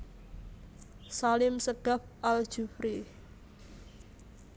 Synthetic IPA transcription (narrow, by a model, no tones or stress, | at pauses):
salɪmsəɡ̥a̤p̚ʔald̥ʒ̥ufɾi